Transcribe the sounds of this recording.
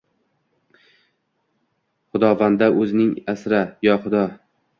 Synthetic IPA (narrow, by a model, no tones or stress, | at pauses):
χʊd̪ɒvand̪aʔɵzɪnɪŋasɾajɒχʊd̪ɒ